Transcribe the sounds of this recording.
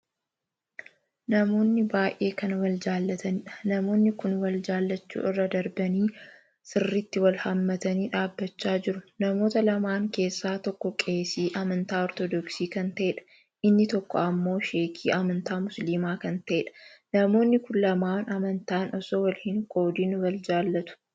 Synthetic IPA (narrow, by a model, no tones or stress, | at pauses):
nɐmo̞ːnːɪbaːjʔe̞ːkɐnwɐld͡ʒaːlːɐt̪ɐnɪᶑɐ̥nɐmo̞ːnːɪkʊnwɐld͡ʒaːlːɐt͡ʃːṵːʔɪrːɐd̪ɐɾbɐniː | sɪrːɪt̪ːɪwɐlhɐmːɐt̪ɐniːᶑaːbːɐt͡ʃːaːd͡ʒɪɾʊnɐmo̞ːt̪ɐlɐmaːŋke̞ːsːaːt̪ɔkːɔkʼe̞ːsiːʔɐmɐnt̪aːɔɾt̪ɔd̪ɔksiːkɐnt̪ɐʔeːᶑɐ̥ | ʔɪnːɪt̪ɔkːɔɐmːo̞ːʃeːkʰiːʔɐmɐnt̪aːmʊsliːmaːkɐnt̪ɐʔeːᶑɐ̥nɐmo̞ːnːɪkʊnlɐmaːnɐmɐnt̪aːnʔɔsoːwɐlhɪŋkʼo̞ːd̪inwɐld͡ʒaːlːɐt̪ʊ̥